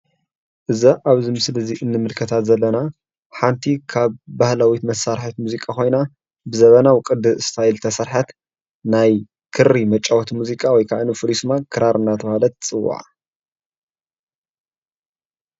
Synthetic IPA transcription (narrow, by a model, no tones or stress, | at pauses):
ʔɨzaʔaβzimɨsɨlɐziʔɨnːɨmɨlkʰɐt̪ʰat̪zɐlːɐna | ħant̪ʰikʰaβːahlawit̪mɐsaɾħat̪muzikʼakʰo̞jna | bɨzɐβɐnawɨkʼɨd̪ɨɨst̪ʰajlt̪ʰɐsɐɾħat̪ | naj | kʰɨɾːimɐt͡ʃʼɐwɔt̪ʰmuzikʼawɔjkʰaʕnufulismakʰɨɾaɾɨnːat̪ʰɐβalɐt̪t͡sʼɨwːa̰ʕa̰